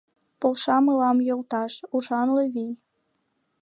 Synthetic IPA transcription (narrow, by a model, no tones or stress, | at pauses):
polˠʃɑmɯlɑmjolˠt̪ɑʃuʒɑnlɤ̆βij